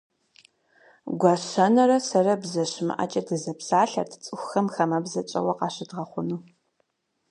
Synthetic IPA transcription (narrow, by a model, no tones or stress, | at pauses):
ɡʷɑɕɐnɐɾɐsɐrɐbzɐɕɪmɨ̰ʔɐ̰t͡ʃʼɐdɨzɐpsaːɬɐ̰rtʰɨt͡sʼɨxʷxɐmxɐmɐbzɐt͡ʃʼɐ̰wɐqɑːɕɪdʁɐχʷʊnuː